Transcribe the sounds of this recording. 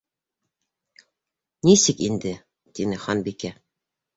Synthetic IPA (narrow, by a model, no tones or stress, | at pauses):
nisɘkind̪ɘ | t̪inɘχɑnbikæ